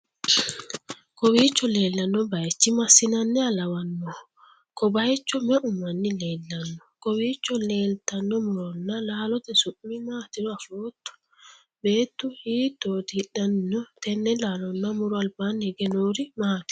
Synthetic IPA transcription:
kɔwiːt͡ʃːɔle̞ːlːɐnːɔbɐjt͡ʃːɪmɐsːɪnɐnːɛɐlɐwɐnːɔ | kɔbɐjt͡ʃːɔmɛʔʊmːɐnːɪle̞ːlːɐnːɔkɔwiːt͡ʃːɔle̞ːlt̪ɐnːɔmʊɾɔnːɐlaːlɔt̪ɛsʊʔːɪmaːt̪ɪɾɔɐfoːt̪ːʊ̥ | be̞ːt̪ːʊhiːt̪ːoːt̪ɪᶑɐnːɔt̪ɛnːɛlaːlɔnːɐmʊɾʊɐlbanɛɡɛnoːɾɪmaːt̪ɪ̥

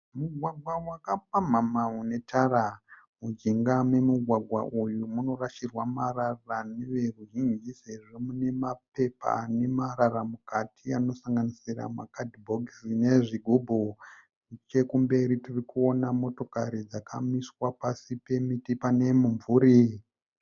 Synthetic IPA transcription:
muɡʱwaɡʱwawakapam̤amaune̞tʰaɾa | mud͡ʒiŋɡamwe̞muɡʱwaɡʱwa̰ʔujumuno̞raʃirwamararraneʋe̞ruɦind͡ʒiseririmune̞mape̞pa̰ne̞mararamukatʰiano̞saŋɡanisira̰ma̰kadʱibʱoɡsine̞ʐiɡʱubʱo | t͡ʃe̞kumbe̞ɾitirikuo̞namo̞to̞kaɾid͡zakʰamiswapasipe̞mitipane̞muɱvuːɾi

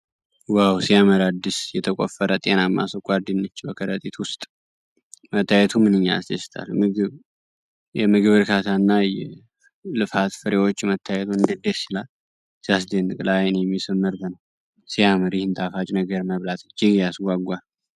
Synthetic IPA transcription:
wawsijaməɾad̪ːisjɛt̪ʰəkʼo̰fːəɾət̪ʼe̞namːʔa̰səkʼʷaɾd̪inːət͡ʃːbəkʰəɾət̪ʼit̪wʊst̪ʼ | mət̪ːajɛt̪ʰumɨnɨɲːa̰sd̪ʰesɨ̥t̪ʰa̰lmɨɡɨβ | jɛmɨɡɨβɨɾkʰat̪ʰanːajɛ | lɨfat̪fɨɾewo̞t͡ʃːmət̪ʰːajɛt̪ʰuɨnd̪əd̪esilal | sijas̬d̪enɨkʼlajnjɛmːisɨmːɨɾt̪ənəw | sijaməɾihɨnt̪ʼʰafat͡ʃʼnəɡəɾməβlat̪ɨt͡ʃːɪɡjasɡʷaɡʷal

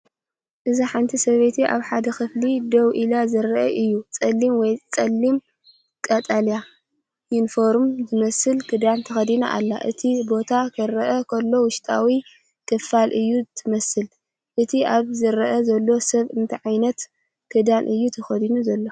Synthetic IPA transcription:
ʔɨziħant̪ʰisɐβet̪ʰiʔa̰βħad̪ɐxɨflid̪ɐwʔilazɨɾɐʔɐʔɨjːut͡sʼɐlːimwɔjt͡sʼɐlːim | kʼɐt̪ʼalja | jɪnfoɾmzɨmɐsɨlkʰɨd̪ant̪ʰɐxɐd̪ina̰ʔa̰lːa̰ʔɨ̰t̪ʰibo̞t̪ʰakʰɨɾɐʔɐkʰɐlːo̞wʊʃt̪ʼawi | kʰɨfalʔɨjːuɨt̪ʰɨmɐsɨl | ʔɨt̪ʰiaβzɨɾɐʔɐzɐlːo̞sɐβɨnt̪ʰiʕajnɐt̪ | kʰɨd̪anʔɨjːut̪ʰɐxɐd̪inuzɐlːo

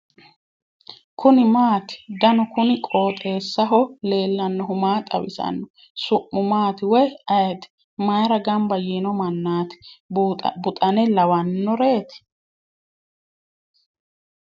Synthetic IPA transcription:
kʰʊnɪmaːt̪ɪ̥d̪ɐnɔkʊnɪkʼoːt̪ʼe̞ːsːɐɦɔle̞ːlːɐnːɔɦʊmaːt̪ʼɐ̰wɪ̰sɐ̰nːɔ | sʊʔːʊmaːt̪ɪwɔjɐjɛt̪ɪ̥ | maːɾɐɡɐmbɐjeːnɔmɐnːaːt̪ɪ̥ | bʊt̪ʼɐnɛlɐwɐnːɔɾe̞ːt̪ɪ̥

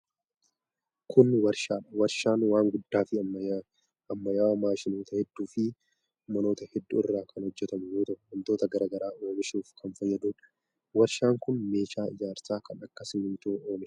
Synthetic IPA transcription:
kʰʊnwɐɾʃaːᶑɐwɐɾʃaːnwaːŋɡʊd̪ːaːfɪ | ɐmːɐjaːwmaːʃɪnoːt̪ɐhɛd̪ːuːfɪ | mɐno̞ːt̪ɐhɛd̪ːuɪrːaːkɐnhɔd͡ʒːɛt̪ɐmʊjoːt̪ɐʔʊwɐnt̪o̞ːt̪ɐɡɐɾaːɡɐɾaːoːmɪʃuːfkɐnfɐjːɐd̪uːᶑɐ̥ | wɐɾʃaːŋkʊnme̞ːʃaːɪd͡ʒaːɾsaːkɐnɐkːɐsɪnɪnt̪oːoːmɪ

